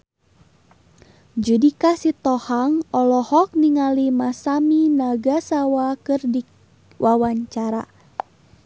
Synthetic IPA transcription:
d͡ʒudikasit̪ɔhaŋɔlɔhɔk̚niŋalimasaminaɡasawakɨrdi | wʔawaɲt͡ʃaɾa̰

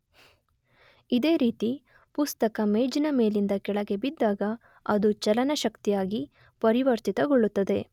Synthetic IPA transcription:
id̪e̞ːɾiːt̪i | pust̪ɐkɐmeːd͡ʒɐnɐme̞ːlind̪ɐkɛɭɐɡe̞bid̪ːaːɡɐ | ɐd̪ut͡ʃɐlɐnɐʃɐkt̪ijaːɡi | pɐɾiʋɐɾt̪it̪ɐɡoɭːut̪ːɐd̪e̞

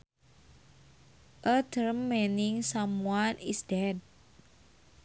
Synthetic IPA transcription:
ʔət̪əɾmːeniŋsamuanisdɛd̚

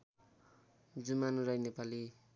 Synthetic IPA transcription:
d͡zumanrʌjnepali

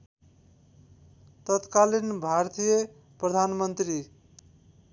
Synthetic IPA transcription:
t̪ʌt̪kalinbʱart̪ijʌ | prʌd̪ʱanmʌnt̪ri

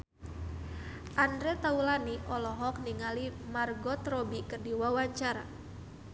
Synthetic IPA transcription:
ʔandɾɛt̪aulaniʔɔlɔɦɔkniŋalimarɡɔt̪rɔbikərdiwawaɲt͡ʃaɾa̰

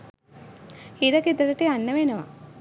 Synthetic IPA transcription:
hiɾəkid̪əɾəʈeanːəʋenəʋa̰

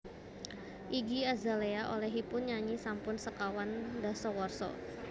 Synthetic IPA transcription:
ʔiɡiazaleaʔolɛɦipʊnɲaɲisampʊnsəkawandasɔwɔrsɔ̰

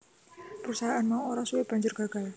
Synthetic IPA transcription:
pəɾusaɦaʔanmauoɾasueb̥a̤ɲd͡ʒʊrɡaɡ̥al

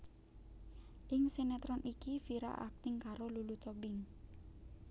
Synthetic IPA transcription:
ʔɪŋsenɛt̪ɾɔnʔikifiɾa̰ʔa̰k̚t̪ɪŋkaɾolulut̪ɔbɪŋ

